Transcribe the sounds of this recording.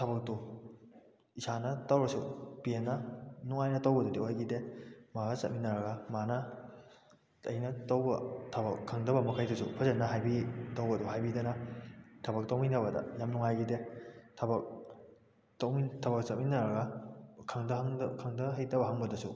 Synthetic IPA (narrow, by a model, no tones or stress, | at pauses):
tʰɐbɐk̚tu | isanɐtawɾɐsupienːɐnuŋajnɐtowbɐdudiojɡidemaɡasɐ̰t̚minɐɾɐɡamanɐ | ɐjnɐtɐwbɐ̰tʰɐbɐkʰːaŋdɐbɐmɐkʰajusupʰɐzɐnːɐɦajbitawbɐduɦajbidɐnɐtʰɐbɐk̚tawminɐbɐdɐ̰jamnuŋajɡidetʰɐbɐk̚ | towmitʰɐbɐk̚sɐt̚minɐɾɐɡɐkʰaŋdɐɦŋkʰaŋdɐɦajtɐbɐɦaŋbɐdɐsu